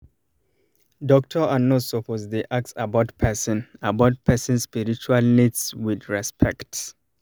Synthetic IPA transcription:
dɔk̚tʰɔanɔtsɔpʰozdeʔak̚sabaʊtpʰɛsɔ̃nabaʊt̚pʰɛsĩnspiɹit͡ʃualnidswidɹɛspʰɛkt

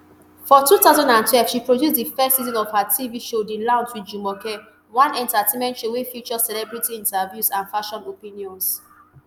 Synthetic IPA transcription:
fɔtutaʊzãndãntʰwɛlv̥ʃipɹodjusdifɛstsizɔ̃nɔvhatʰiviʃodilãʊ̃nswid͡ʒumɔkɛ | wɔ̃nɛ̃ntatẽnmɛ̃ntʃowifjut͡ʃɔsɛlɛbɹitiĩntavjusãnfaʃɔ̃nopĩniɔ̃ns

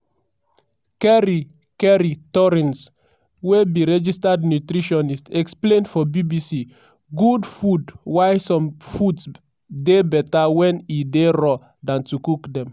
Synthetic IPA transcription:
kɛɹi | kɛɹitɔɹɛ̃ns | webiɹɛd͡ʒistad̚njutɾiʃɔnistɛksplẽndfɔbibisi | ɡudfudwajsɔ̃mfuds | debɛtawɛ̃nideɹɔ | dãntukukdɛ̃m

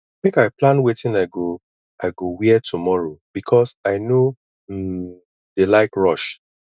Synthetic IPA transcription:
mekaɪplãnwetĩnaɪɡo | ʔaɪɡowiɛtʰumɔɹob̥ikʰɔsaɪno | delaɪkɹɔʃ

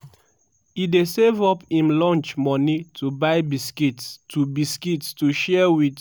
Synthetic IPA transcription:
idesevɔpĩmlɔ̃nt͡ʃmɔnitʰubaɪbiskitstubiskitstuʃɛwit

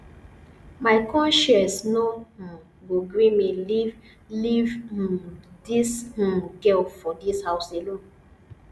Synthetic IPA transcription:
maɪkʰɔ̃nʃɛ̃snoh̩ | ɡoɡɹimiliv | livh̩dish̩ɡɛlfɔdishaʊselõn

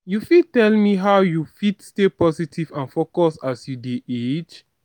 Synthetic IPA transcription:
jufid̚tɛlmiɦaʊjufidstepɔsitʰivãnfokɔsasjudeʔet͡ʃ

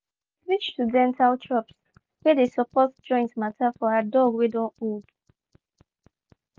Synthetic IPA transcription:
ɹit͡ʃtudɛ̃ntʰaltʰɹɔps | wɛdesɔpɔtd͡ʒɔ̃ɪ̃ntmatʰafɔadɔɡwɛdɔ̃nud

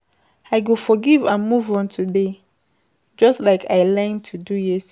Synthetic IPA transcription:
aɪɡofɔɡivãnmuvɔ̃ntʰude | d͡ʒɔstlaɪkʰaɪlɛ̃ntʰudujes

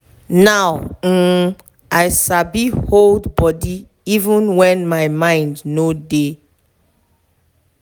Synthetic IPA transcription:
naw̩ | aɪsabiholdbɔdi | ivũnwɛ̃nmaɪmãɪ̃ndnode

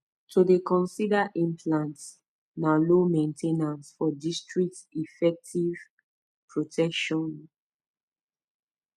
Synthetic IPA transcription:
tʰudekɔ̃nsidaʔĩmpʰlãnt | nalomẽntʰenãnsfɔdistɹik̚tifɛk̚tʰiv̥ | pɹotʰɛkʃɔ̃n

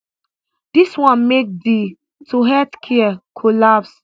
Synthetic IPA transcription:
d̥iswãnmek̚di | tʰuɦɛtkʰiəkʰolaps

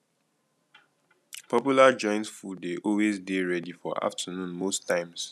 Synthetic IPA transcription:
pʰɔpjulad͡ʒɔ̃ɪ̃ntfudeʔɔlwezdeɹɛdifɔa̰ftʰənũnmostʰãɪ̃ms

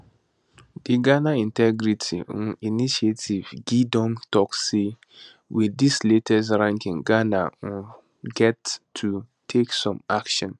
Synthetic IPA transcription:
d̥iɡanaĩntʰɛɡɾitʰininiʃietʰivɡidɔ̃mtɔkse | widisletʰɛs̬ɾãŋkĩŋɡana̰ | ɡɛtʰːu | tʰeksɔ̃makʃɔ̃n

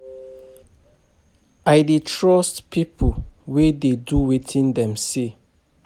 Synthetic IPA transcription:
ajdetʰɹɔstpʰipʰowededuwetʰĩndɛ̃mse

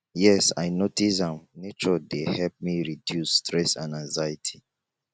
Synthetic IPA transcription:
jɛsajnotisãmnet͡ʃɔdehɛlp̚miɹidjusːtʰɹɛsãnãŋzajitʰi̥

